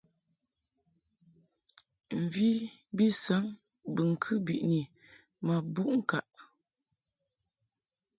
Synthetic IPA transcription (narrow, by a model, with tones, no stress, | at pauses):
m̩˨vi˦ | bi˦sə˨˦ŋ | bɨ˨ŋ̩˨kʰɨ˦bi˨ʔni˨ | ma˨bu˦ʔŋ̩˦˨ka˨ʔ